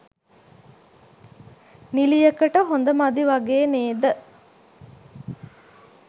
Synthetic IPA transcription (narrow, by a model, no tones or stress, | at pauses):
nilijɐkəʈəɦond̪əmɐd̪iʋɐɡeːneːd̪ə